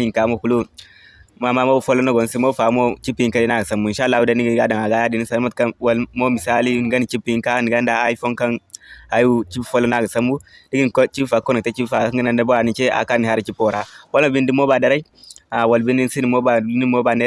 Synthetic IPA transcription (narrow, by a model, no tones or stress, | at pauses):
ikamohulu | mamamobufolonoɡonsimofamot͡ʃipːiikalinaɡasambuiʃalːahudaniɡiɡadaŋaɡajadinisalmat̚kawalmomisalinɡanit͡ʃipiiŋkaniɡandaːifonkanajut͡ʃibfolːonaɡasambudiɡinkt͡ʃibfakːonitet͡ʃibfaaŋɡinandaboanit͡ʃea̰kanihaɾit͡ʃipːoɾawolmobindimobadaɾai | awalbindinsinimobanimobane